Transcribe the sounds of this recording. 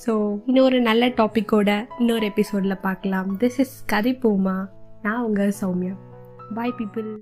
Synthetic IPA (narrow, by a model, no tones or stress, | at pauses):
soːɪnːoːɾɯnɐlːɐʈoːpɪkːoːɽɐɪnːoːɾɯɛpɪsoːɖɪlɐpaːɾkɐlãːmd̪ɪsɪskɐðɪpoːmaːnãːɐʋɐŋɡɐsɐʊmɪjɐ̃ | baːɪpiːpɯl